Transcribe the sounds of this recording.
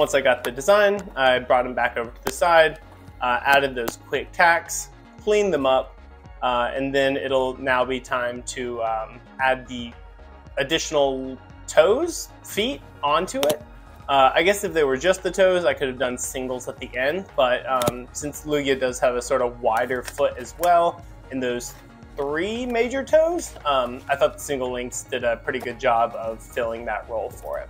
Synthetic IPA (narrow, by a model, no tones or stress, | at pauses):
wʌ̃nsaɪɡɑt̪̚ðɨdɨzãɪ̃naɪbɹɔt̚hɨ̃mbækoʊvə˞ɾʰɨðɨsaɪd | ʔʌʔæɾɨd̪̚ðoʊz̥kʰw̥ɪk̚tʰæks | kʰl̥ĩnðɨ̃mʌp̚ | ʌɨ̰̃nðɨ̃nɪ̰ɾl̩ˠnaʊbitʰãɪ̃mtʰɨʌ̃ | æd̪̚ði | ɨdɪʃn̩l̩ˠ | tʰoʊz̥ | fit̚ | ɑ̃ntʰʉɪt̚ | ʌa̰ɪɡɛsɨfðeɪwə˞d͡ʒʌst̪̚ðɨtʰoʊzaɪkʰʊɾɨvdʌ̃nsɪ̃ŋɡl̩ˠzət̪̚ðiʔɛ̃ndb̥ʌt̚ʌ̃msɪ̃nslʉiɨdʌz̥ɨvɨsɔɹɾʌvwaɪɾə˞fʊɾɨzwɛlˠ | ɨ̃nðoʊz̥ | θɹimeɪd͡ʒə˞tʰoʊz̥ʌ̃maɪθɔt̪̚ðəsɪ̃ŋɡl̩ˠlɪ̃ŋksd̥ɨɾɨpʰɹ̥ɪɾiɡʊd̚d͡ʒɑbʌv̥fɪlˠɪ̃ŋðɨ̰ʔ̚ɹoʊlˠfə̰˞ɪ̰t̚